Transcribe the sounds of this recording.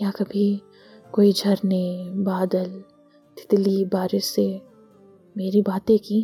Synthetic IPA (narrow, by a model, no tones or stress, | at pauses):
jakɐbʱi | koːid͡ʒʱɐɾnebaːd̪əl | t̪ʰɪ̥t̪libaːɾese | meːɾibaːt̪ẽki